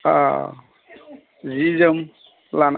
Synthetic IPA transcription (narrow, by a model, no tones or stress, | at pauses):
a̰ | zizəm | lan